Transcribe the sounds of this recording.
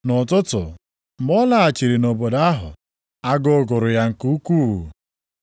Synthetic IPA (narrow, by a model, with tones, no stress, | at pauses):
nʊ˨tʊ˦tʊ˨ | m̩˨mɔ˦la˦a˨t͡ʃi˨ɾi˨no˨bo˨da˦ɦʊ˨ | a˦ɡʊ˦ɡʊ˨ɾʊ˨ja˦ŋ̩˨ku˦kuː˦˨